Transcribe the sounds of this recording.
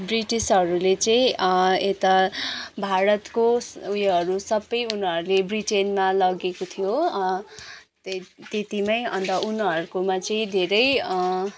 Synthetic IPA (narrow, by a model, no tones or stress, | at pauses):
briʈisɦʌɾulet͡sʌĩet̪abʱaɾʌt̪koujɦʌɾusʌbːʌjunɦʌɾulebriʈenmalʌɡekot̪ʰijo | t̪et̪imʌjʌ̰nt̪ʌʔunɦʌɾukomat͡sʌĩd̪ʱeɾʌj